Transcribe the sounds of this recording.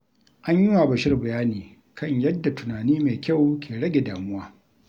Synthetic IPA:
ʔa˦ɲjɪ˦wa˨bɐ˨ʃɪ˦rbɐ˨jaː˦niː˨ | kʰɐ˦˨ɲjɐ˦dːa˨tʊ˨naː˨niː˦meː˨kʲa˦˨wkʲʰeː˨ɽɐ˦ɡʲe˨daː˨mʊ˦waː˦

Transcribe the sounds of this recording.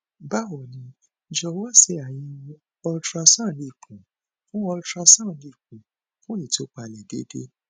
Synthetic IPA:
ba˦˨wɔ˨nĩ˧ | d͡ʒɔ˧˦wa˦˨se˧˦a˨jĩ˧ | ɔ˧tɾa˧sã˦˨li˧˨kũ˨ | fũ˦ɔ˧tɾa˧sã˦˨li˨k̚ũ˨ | fũ˦ĩ˦˨to˨˦k͡pa˧˨lɛ˨de˨˦dḛ˦

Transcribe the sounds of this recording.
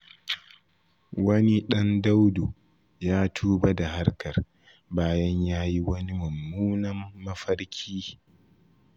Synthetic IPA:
wɐ˦ni˦ɗɐ˦nda˦wdo˨ | jaː˦tʰuː˦ba˦da˨ha˦rkɐ˨r | baː˦jɐ˦ɲjaː˦ji˦wɐ˦ni˦mɐ˨mːuː˦nɐ˦mːɐ˦ɸɐ˦ɽkʲʰiː˦

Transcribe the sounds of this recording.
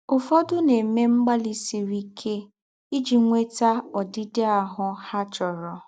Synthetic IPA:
ʊ˨fɔ˦dʊ˦ne˨me˦ŋ͡m̩˦ɡ͡ba˦li˦si˨ɾi˦kʰe˦ | i˦d͡ʒi˨ŋʷe˦ta˦ɔ˨dɪ˦dɪ˦a˨ɦʊ˨ha˦t͡ʃɔ˨ɾɔ˨

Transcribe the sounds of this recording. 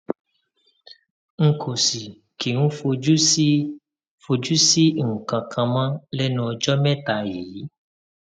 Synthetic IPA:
ŋ̩˨kʰo˨si˨ | ke˨ŋũ˦fo˧u˦ | fo˧d͡ʒu˦si˦ŋ̩˨kã˨kʰã˧mã˦lɛ˦nɔ̃˨˧˨d͡ʒɔ˦mɛ̃˦ta˨je˨˦

